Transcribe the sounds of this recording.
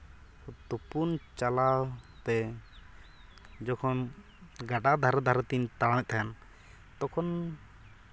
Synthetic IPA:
t̪upunt͡ʃalat̪ɛ | d͡ʒɔkʰɔn | ɡaɖad̪ʱaɾd̪ʱaɾət̪int̪aɽawɛt̪ʰaan | t̪ɔkʰɔn

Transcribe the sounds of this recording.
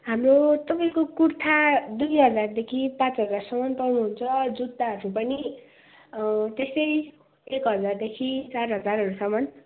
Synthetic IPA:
ɦamrot̪ʌpaĩkokurt̪ʰad̪ujɦʌd͡zard̪ekʰipãt͡sɦʌd͡zarsʌmʌnpʌwnuɦunt͡sʰʌd͡zud̪ːaɦʌɾupʌni | t̪est̪ʌj | ekɦʌd͡zard̪ekʰit͡sarɦʌd͡zarɦʌɾusʌmʌn

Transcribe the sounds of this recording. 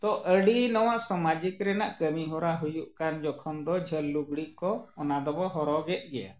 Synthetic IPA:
t̪ɔʔəɽinɔwaʔsɔmad͡ʒikɾɛnaʔkəmiɦɔɾaɦujuʔkand͡ʒɔkʰɔmd̪ɔd͡ʒʱəlːuɡɽiʔkɔːnad̪ɔbɔɦɔɾɔɡɛt̪̚ˀɡɛja̰

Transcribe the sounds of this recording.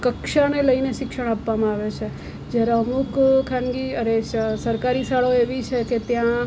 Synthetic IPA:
kəkʃaneləineʃɪkʃəɽ̃apʋamãaʋet͡ʃʰe | d͡ʒjaɾaəmukkʰːãnɡiəɾesəɾkaɾisaɭoeʋit͡ʃʰeket̪jã

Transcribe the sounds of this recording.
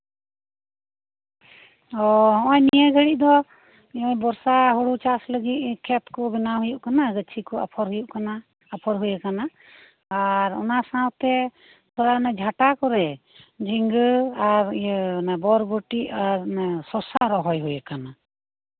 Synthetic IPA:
ɔɦɔɔ̃jnijɛɡʱəɽiʔ̚ˀd̪ɔ | ɔ̃jbɔɾsaɦɔɽut͡ʃasləɡit̪̚kʰɛt̪kɔbɛnaɦujuʔkanaɡət͡ʃʰikɔa̰pʰɔɾɦujuʔkanaː | pʰɔɾɦujakanaː | ɾɔ̰nasãwt̪ɛ | t̪ʰɔɾanad͡ʒʱaʈakɔɾɛ | d͡ʒiŋɡəaɾnabɔɾbɔʈiʔaɾsɔsaɾɔɦɔjɦujakana

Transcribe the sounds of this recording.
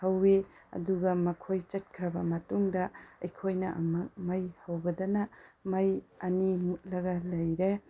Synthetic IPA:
hɐwːeɐ̰duɡɐmɐkʰojt͡ʃɐt̚kʰɾɐbɐmɐtuŋdɐɐjkʰojnɐʔɐmɐk̚mɐjhɐwbɐdɐnɐmɐjɐnimut̚lɐɡɐlɐjɾe

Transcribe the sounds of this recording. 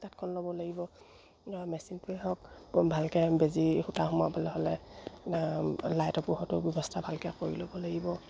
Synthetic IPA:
tatkʰɔnlobɔlaɡibɔ | mɛsintuɛɦɔk̚bʱalkɛbezixutahɔmapalɛɦɔlɛ | lajtɔpuhɔtʊbjɔbɔstʰabʱalkɛkoɹilobɔlaɡibɔ

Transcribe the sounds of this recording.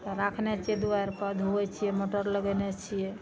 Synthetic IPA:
t̪ɔɾakʰnɛt͡ʃʰiɛd̪uaɾpəd̪ʱɦoɛt͡ʃʰijɛmoʈəɾləɡɛnɛt͡ʃʰijɛ

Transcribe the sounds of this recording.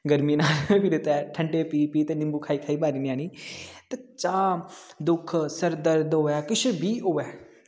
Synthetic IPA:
ɡəɾmiːnaːlpʰɪɾet̪ɛːʈʰəɳɖeːpiːpiːt̪eːnɪ̃mbuːkʰaːiːkʰaːiːbaːɾiːniaːniːt̪et͡ʃaːd̪ʊkʰsəɾd̪əɾd̪ɦoːɛːkɪt͡ʃʰbʱiːɦoːɛː

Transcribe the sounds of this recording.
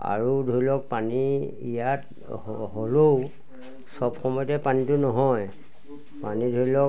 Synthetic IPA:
a̰ɹudʱoɹilɔk̚pani | ḭjat̚ | ɦolow | sɔbxɔmɔjɔtɛpanitʊnɔɦɔj | panidʱoɹilɔk

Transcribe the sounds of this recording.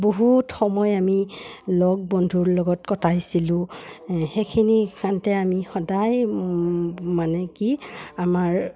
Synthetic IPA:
boɦutxɔmɔjamilɔɡ̚bɔndʱuɹlɔɡɔtkɔtʰajsilʊ̃xekʰinikantɛamixɔdaj | manɛkiamaɹ

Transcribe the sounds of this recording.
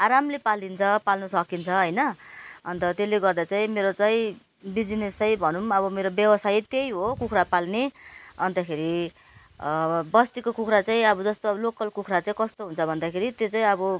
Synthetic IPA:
aɾamlepalint͡sʰʌpalnʌsʌkint͡sʰʌɦʌjnʌʌnt̪ʌt̪eleɡʌrd̪at͡saĩmeɾot͡saĩ | bid͡znest͡sʌj̃bʱʌnumʌβʌmeɾobjʌbʌsajt̪ejɦokukʰrapalneʌnt̪akʰeɾi | bʌst̪ikokukʰɾat͡saĩʌbʌd͡zʌst̪oʌlokʌlkukʰɾat͡saĩkʌst̪oɦunt͡sʰʌbʱʌnd̪akʰeɾit̪jot͡sãĩʌbʌ

